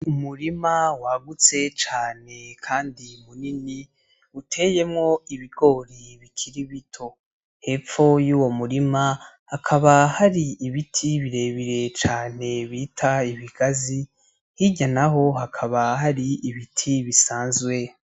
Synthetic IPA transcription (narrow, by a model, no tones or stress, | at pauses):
umuɾimawaɡut͡se̞t͡ʃaːne̞kʰaːndimunini | utʰe̞ːje̞mŋo̞iβiɡ̥o̞ːɾiβikʰiɾiβitʰo̞ | he̞ːp͡ffo̞juːwo̞muɾima | hakʰaβahaɾiiβitʰiβiɾe̞βiɾe̞t͡ʃaːne̞βiːtʰaiβiɡ̥azi | hiɟanaɦo̞ɦakʰaβahaɾiiβitʰiβisaːnzwe̞